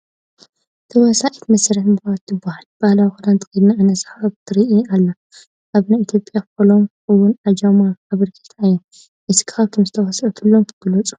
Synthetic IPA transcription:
t̪ʰɐwɔsaʔit̪mɐsɾħbɨat̪ːɨbahalb̥ahlawixud̪ant̪ʰɨ̥xɨd̪naɨnɐsħaβt̪ʰɨɾiʔialːa | ʔaβnajit̪ʰjo̞pʼjafolom | ɨwːʊnad͡ʒamaːβɨɾkʰɐ̥t̪ʰajːo | ʔɨsi̥kʰɨ̥aβk̪ʰɨmzɨt̪ʰɐwɐsʔut̪ʰɨlːomkʰɨɡɨlɐt͡sʼu̥

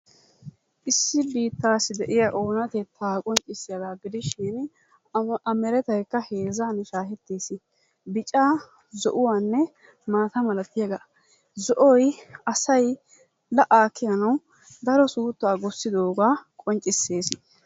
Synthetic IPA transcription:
ʔɪsːɪbiːt̪ːaːsɪd̪ɛʔɪjaʔo̞ːnɐt̪ɛt̪ʰːaːkʼɔnt͡ʃʼɪsːɪjɐd̪aːɡɪd̪ɪʃɪn | ɐmɛɾɛt̪ɐjkːɐhe̞ːzanʃaːhɛt̪ːeːsɪ | bɪt͡ʃʼaː | zɔ̰ʔʊwaːnːɛ | maːt̪ɐmɐlɐt̪ːɪjɐɡɐ | zɔʔɔjɐsɐj | lɐʔaːkːɪjɐnɐw | d̪ɐɾɔsuːt̪ːaːɡɔsːɪd̪oːɡaːkʼɔnt͡ʃʼːɪsːeːsɪ

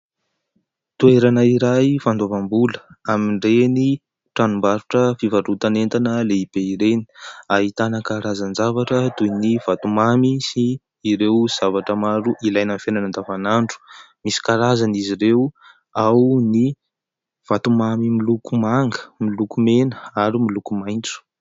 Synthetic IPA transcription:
t̪ueɾanaiɾajfand̪avambuləamiɳɖ͡ʐeni | ʈ͡ʂanumbaɾuʈ͡ʂəfivaɾut̪anent̪anəleib̥eiɾeni̥aɦit̪anəkaɾazanzavaʈ͡ʂəd̪univat̪umamisiː | ɾewz̥avaʈ͡ʂəmaɾuʔilajnamfenanand̪avanaɳɖ͡ʐu̥ | misi̥kaɾazaniziɾew | awni | v̥at̪umamimilukumaŋɡə̥milukumenəaɾumilukumajnt͡su̥

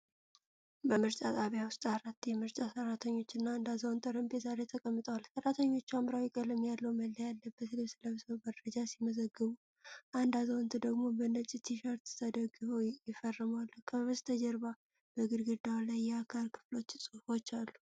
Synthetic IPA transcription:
bəmɨɾt͡ʃʼat̪ʼaβjawʊst̪ʼaɾat̪ːjɛmɨɾt͡ʃʼasərːat̪ʰəɲːo̞t͡ʃːɨnːaːnd̪azəwnt̪ʰɨɾəmbezaɾe̞t̪ʰəkʼəmːɨt̪ʼəwalsərːat̪ʰəɲːo̞t͡ʃːuamɾawikʼələmjalːəwməlːəjalːəbːət̪lisɨləβsəwməd̪ɾəd͡ʒasiməzəɡːɨβu | ʔand̪azəwnt̪ʰɨd̪əɡmo̞bənət͡ʃʼit̪ʰiʃaɾt̪t̪ʰəd̪əɡɨβəwjɪfərːɨmalːəkʰəβəst̪ʰəd͡ʒəɾβa | b̥əɡɨɾɡɨd̪alajːɛakʰalkʰɨ̥flo̞t͡ʃːsʼɨfo̞t͡ʃːalːu

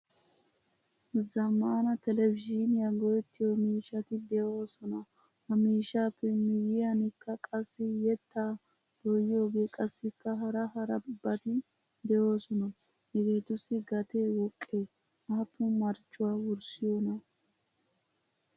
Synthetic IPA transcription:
zɐmaːnɐt̪ɛlɛvɪd͡ʒɪnɪjaɡɔjɛt̪ːɪjomiːʃɐt̪ɪd̪ɛʔo̞ːsɔnɐ | hɐmiːʃaːpːɛmɪjɪjɐnɪkːɐkʼɐsːɪjɛt̪ːaː | d̪̥ɔjo̞ːɡe̞ːkʼɐsːɪkːɐɦɐɾɐhɐɾɐbːɐt̪ɪ | d̪ɛjo̞ːsɔnɐ | ɛɡeːt̪ʊsɪɡɐt̪e̞ːwɔkʼːeː | ʔaːpʰːʊmɐɾt͡ʃːʊwaːwʊɾsɪjoːnɐ

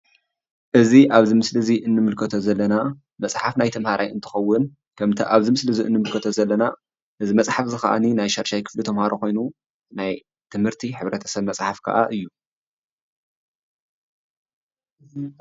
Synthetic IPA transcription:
ʔɨziʔaβzimɨslɨziʔɨnːɨmɨlkʰɐt̪ʰozɐlːɐna | mɐt͡sʼħafnajt̪ʰɐmhaɾʔajɨ̰nt̪ʰɨ̥xɐwːʊn | kʰɐmt̪ʰiʔaβzimɨslɨziʔɨ̰nːɨmɨlkʰɐt̪ʰozɐlːɐna | ʔɨzimɐt͡sʼħafzɨxa̰ʔa̰ninajʃaɾʃajkʰɨ̥flit̪ʰɐmhaɾoko̞jnu | naj | t̪ʰɨmhɨɾt̪ʰiħɨβɾɐt̪ʰɐsɐβmɐt͡sʼħafkʰɐ̰ʔaʔɨjːu

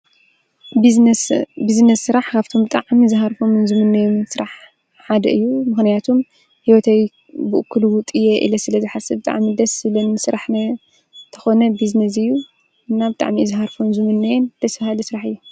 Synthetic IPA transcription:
biznɐsːɨɾaħkʰaβt̪ʰo̞mbɨt̪ʼaʕmizɨɦaɾfomɨnzɨmɨnːɐjomsɨɾaħ | ħad̪ɐʔɨjːumɨxnijat̪ʰom | hiwɔt̪ʰɐj | bɨʔɨkʰːuluwʊt̪ʼɨjeʔḭlɐsɨlɐzɨħasɐbɨt̪ʼa̰ʕmid̪ɐsɨlɐnɨsɨɾaħnɐ | t̪ʰɐxo̞nɐbiznɐs̬ɨjːu | ɨnːabɨt̪ʼa̰ʕmizɨɦaɾfonzɨmɨnːɐjɛnd̪̥ʰɐsfahɨlisɨɾaħɨjːu

